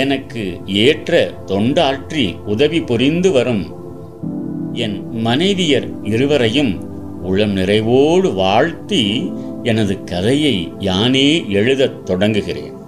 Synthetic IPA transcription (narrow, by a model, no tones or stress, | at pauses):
ɛnɐkːɯeːʈrɐt̪ɔɳɖaːʈriʊðɐʋipɔrɪnd̪ɯʋɐɾɯm | ɛnmɐnɐɪʋɪjɐɾɪɾɯʋɐɾɐjɯm | ʊɭːɐmnɪrɐɪʋoːɽɯʋaːɻt̪iɛnɐðɯkɐðɐjɐɪjaːneːɛɻɯðɐt̪ːɔɽɐŋɡɯɣɪrḛːn